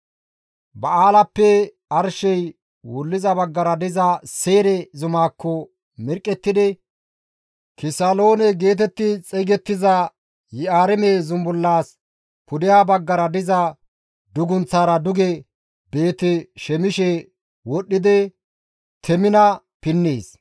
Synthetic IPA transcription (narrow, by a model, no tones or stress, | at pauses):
bɐʔaːlɐpːɛ | ɐɾʃɛj | wʊlːɪzɐbɐɡːɐɾɐd̪ɪzɐseːɾɛzʊmaːkːɔ | mɪɾkʼːɛt̪ːɪd̪ɛ | kɪsɐlo̞ːnɛɡe̞ːt̪ɛt̪ːɪt͡sʼɛɡɛt̪ːɪzɐ | jɪaːɾɛmezʊmbʊlːaːs | pʊd̪ɪjaːbɐɡːɐɾɐd̪ɪzɐ | d̪ʊɡʊnt͡sːaːɾɐd̪ʊɡɛ | be̞ːt̪ɛʃɛmɪʃɛ | wɔɗːɪd̪ɛ | t̪ʰɛmɪnɐ | pɪnːeːs